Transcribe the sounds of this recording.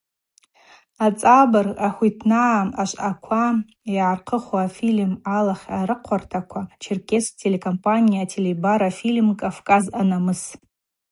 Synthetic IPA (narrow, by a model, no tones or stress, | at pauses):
at͡sʼabaraħʷitʰnaːaʃʷʔakʷʰa | iʕarqʰəχoafilmalaχʲaɾɨqʷʰartʰakʷʰat͡ʃʰɪrkʲʰʼestʰele̞kʰʼompʼanijatʰelebaɾafilmkʼafkʼazanamɨs